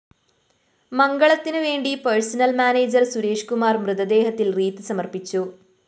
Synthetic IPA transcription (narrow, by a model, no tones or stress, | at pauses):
mɐŋɡɐɭɐt̪ːinɨʋeːɳɖipɐɻsɐnɐlmaːneːd͡ʑɐrsuɾe̞ːʂkumaːrmrɨðɐd̪e̞ːɦɐt̪ːilriːt̪ːɨsɐmɐrpit͡ɕːu